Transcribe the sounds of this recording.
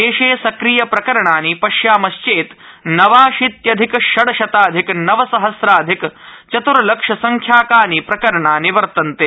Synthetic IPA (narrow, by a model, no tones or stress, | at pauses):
eːʃeːsɐkɾijɐpɾɐkɐɾɐɳaːnipɐʃjaːmɐʃt͡ʃeːt̪nɐʋaːʃit̪jɐd̪ʱikʃɐɽɐʃɐt̪aːd̪ʱiknɐʋɐsɐɦɐsɾaːd̪ʱikt͡ʃɐt̪uɾɐlɐkʂɐsɐŋkʰjaːkaːnipɾɐkɐɾɐɳaːniʋɐɾt̪ɐnt̪eː